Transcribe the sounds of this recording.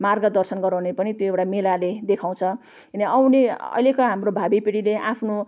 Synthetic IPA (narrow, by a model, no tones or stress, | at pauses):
marɡʌd̪ʌrsʌnɡʌɾãnepʌnit̪joewʈamelaled̪ekʰaw̃t͡sʰʌ | kinʌʌwneʌ̰jlekʌɦamrobʱabipiɽileʔapʰno